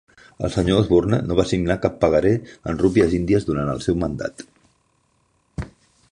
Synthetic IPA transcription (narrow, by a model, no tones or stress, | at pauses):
ə̰lˠsəɲoəzβurnənoβasiɡnakapːəɣəɾeə̰nrupiəzind̪iəzðuɾanə̰lˠsɛwmənd̪a̰t̪